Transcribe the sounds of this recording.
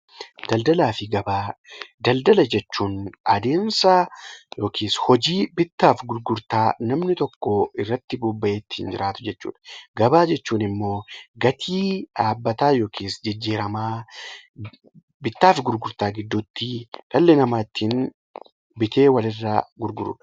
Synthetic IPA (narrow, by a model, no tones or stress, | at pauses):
d̪̥ɐld̪ɐlaːfɪɡɐbaːd̪ɐld̪ɐlɐd͡ʒɛt͡ʃːuːnɐd̪e̞ːnsɐjo̞ːkʰiːshɔd͡ʒiːbɪt̪ːaːfɡʊɾɡʊɾt̪aːnɐmnɪt̪ɔkːoɪrːɐt̪ːɪbuːbːɐʔe̞ːt̪ːɪ̥hɪnd͡ʒɪɾʔaːt̪ʊ̥d͡ʒɛt͡ʃːṵːᶑɐ̥ɡɐbaːd͡ʒɛt͡ʃːuːnɪmːo̞ːɡɐt̪ʰiːᶑaːbːɐt̪aːjoːkiːsd͡ʒɪd͡ʒːiːɾɐmaː | bɪt̪ːaːfɡʊɾɡʊɾt̪aːɡɪd̪ːut̪ːɪᶑɐlːɛnɐmaːɪt̪ːiːn | bɪt̪e̞ːwɐlɪrːaːɡʊɾɡʊɾʊ̰ᶑ